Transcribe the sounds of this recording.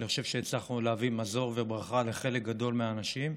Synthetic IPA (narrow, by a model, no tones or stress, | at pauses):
niχoʃevʃeet͡slaχnuleavimazo̞ʁvebʁaχale̞χe̞lek̚ɡad̪o̞lmeaːnaʃim